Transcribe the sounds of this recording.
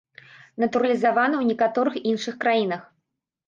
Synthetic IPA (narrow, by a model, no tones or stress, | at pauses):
nɐt̪uɾɐlʲizavanɐwnʲɛkat̪ɔɾɨxinʂɨxkɾajinɐx